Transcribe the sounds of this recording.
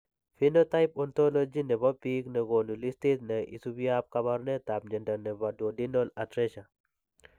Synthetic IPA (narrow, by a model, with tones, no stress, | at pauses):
fi˦no˦ta˦ɪpɔ˦nt̪o˦lo˦d͡ʒi˦nɛ˨bɔ˦pi˦knɛ˨ɡo˨nu˨li˦sti˦t̪nɛ˨ʔḭ˨su˦bja˦p̚ka˦ba˦ɾnɛ˦t̪a˨b̚ɲɛ˨nda˨nɛ˨ba˨do˨di˦nɔ˦la˨tɾɛ˦ʃa˨